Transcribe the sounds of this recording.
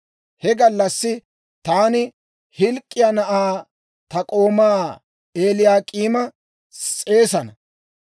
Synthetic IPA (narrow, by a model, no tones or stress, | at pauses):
hɛɡɐlːɐsːɪ | t̪aːnɪ | hɪlkʼːɪjanɐʔaː | t̪ɐkʼo̞ːmaː | eːlɪjaːkʼiːmɐ | sʼe̞ːsɐnɐ